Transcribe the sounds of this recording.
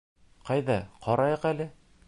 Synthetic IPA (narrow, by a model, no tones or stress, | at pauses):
qɑjðɑqʰɒɾɑjɤqælɘ